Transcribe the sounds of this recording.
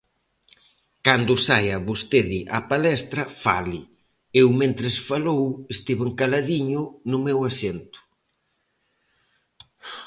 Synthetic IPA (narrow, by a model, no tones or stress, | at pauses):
kand̪ʊsajɐβost̪eðɪʔapalɛst̪ɾɐfa̰lɪ | ewmẽnt̪ɾɪsfalowest̪iβeŋkalaðiɲʊnʊmɛwasent̪ʊ̥